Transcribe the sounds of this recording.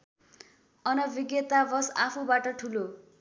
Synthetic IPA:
ʌnʌbiɡjʌt̪abʌsapʰubaʈʌʈʰulo

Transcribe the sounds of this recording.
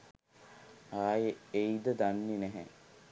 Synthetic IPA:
aːjeid̪əd̪anːinɛɦɛ

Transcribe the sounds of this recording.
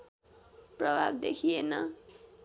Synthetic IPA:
prʌbʱabd̪ekʰienʌ

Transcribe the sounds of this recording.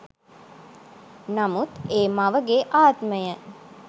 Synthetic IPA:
namut̪eːmaʋəɡeʔaːt̪məjə

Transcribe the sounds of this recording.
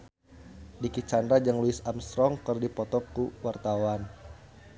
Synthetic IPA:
dikit͡ʃandɾad͡ʒaŋluɪsamst̪ɾɔŋkərdipɔt̪ɔkuwart̪awan

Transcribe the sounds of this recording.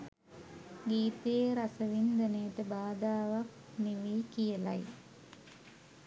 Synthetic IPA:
ɡiːt̪eːɾasəʋind̪əneːʈəbaːd̪aːʋak̚ | niʋiːkijəla̰j

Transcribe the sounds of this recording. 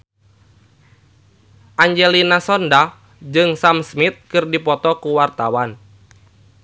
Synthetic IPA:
ʔaɲd͡ʒɛlinasɔnda | d͡ʒɨŋsamsmit̪̚kɨrdipɔt̪ɔkuwart̪awan

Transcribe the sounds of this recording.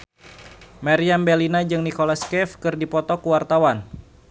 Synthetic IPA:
maɾiambɛlinad͡ʒɨŋnikolaskɛfkɨrdipɔt̪ɔkuwart̪awan

